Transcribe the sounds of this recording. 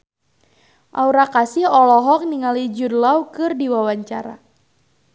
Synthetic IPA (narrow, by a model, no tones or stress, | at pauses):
ʔauɾakasihɔlɔɦɔk̚niŋalid͡ʒudlawkɨrdiwawaɲt͡ʃaɾa̰